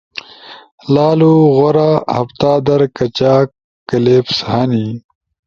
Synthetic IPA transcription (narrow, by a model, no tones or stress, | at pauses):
laːluɣoɾaːhɐft̪aːd̪ɐɾkɐt͡ɕaːkː | ɐleːpshɐni